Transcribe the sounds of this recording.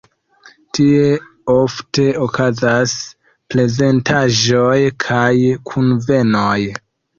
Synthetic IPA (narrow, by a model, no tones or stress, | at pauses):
tie̞ | ofte̞okazas | ple̞ze̞ntaʒojkʰajkʰunve̞noj